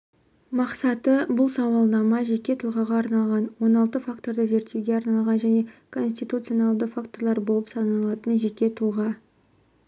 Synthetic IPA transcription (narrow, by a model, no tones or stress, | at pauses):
mɑqsɑt̪əbʊlˠsɑwɑlˠd̪ɑmɑʒe̞kʲːe̞t̪ʰəlˠʁɑʁɑːɾnɑlˠʁɑnwo̞nɑlˠt̪əfakt̪o̞ɾd̪əze̞ɾt̪ːe̞wɡʲe̞ɑɾnɑlˠʁɑnʒæne̞kʰo̞ns̬ʲt̪it̪ut̪sɨio̞nɑlˠd̪əfakt̪o̞ɾlˠɑɾbolˠəpsɑnɑlˠɑt̪ənʒe̞kʲe̞t̪ʰəlˠʁɑ